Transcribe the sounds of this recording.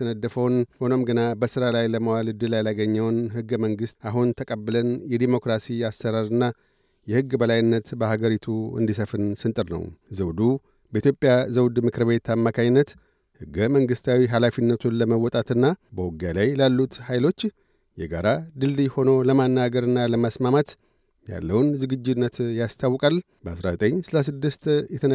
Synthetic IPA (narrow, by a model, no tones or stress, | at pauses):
t̪ʰənəd̪ːəfəwnho̞no̞mɡənabəsɨɾalajləməwalɨd̪ːɨljalaɡəɲːəwnhɨɡːəməŋɡɨst̪aɦunt̪ʰəkʼəbːɨlənjɛd̪imo̞kɾasiasːəɾaɾɨnːa | jɛhɨɡːbəlajnːət̪bəhaɡəɾit̪ʰuɨ̰nd̪isəfɨnsɨnt̪ʼɨɾnə̰wzəwd̪u | bəʔit̪ʰjo̞pʼːjazəwd̪mɨkʰɨɾbe̞t̪amːakʰaɲɪnːət̪ | hɨɡːəməŋɡɨst̪ʰawiɦalafinːət̪ʰunləməwːɔt̪ʼat̪ɨnːabəwɔɡjalajlalːut̪hajlo̞t͡ʃː | jɛ̰ɡa̰ɾad̪ɨld̪iho̞no̞ləmanːaɡəɾɨnːaləmasmamat̪ | ja̰lːəwnzɨɡɨd͡ʒːɪnːət̪jast̪ʰawːɔkʼal | bəasɾazət̪ʼəɲːsɨlas̬ɨd̪ːɨst̪jɛt̪ʰən